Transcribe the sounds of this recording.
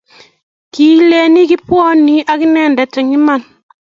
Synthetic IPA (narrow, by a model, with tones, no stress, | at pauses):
ki˨le˨ni˦ki˦pwɔ˦ni˦ʔa˦ki˦nɛ˦˨ndɛ˨tɛ˨ŋi˦ma˨n